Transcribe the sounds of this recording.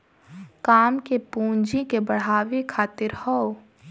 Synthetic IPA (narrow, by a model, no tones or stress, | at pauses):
kaːmkepũːɲd͡ʒikebəɽ̤aːwikʰaːt̪ɪɾhɔ